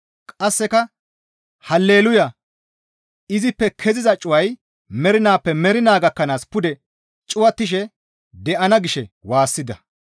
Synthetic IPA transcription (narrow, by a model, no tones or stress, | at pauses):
kʼɐsːɛkɐ | hɐlːe̞ːlʊjɐ | ɪzɪpːɛkʰɛzɪzɐt͡ʃʼʊwɐj | mɛɾɪnaːpːɛmɛɾɪnaːɡɐkːɐnaːspʊd̪ɛ | t͡ʃʼʊwɐt̪ːɪʃ̬ɛ | d̪ɛʔɐnɐɡɪʃɛwaːsːɪd̪ɐ